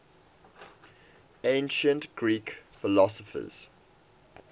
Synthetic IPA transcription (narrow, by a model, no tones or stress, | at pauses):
ẽnʃə̃ntɡ̥ɹiːkfɪlɔsəfə̰z̥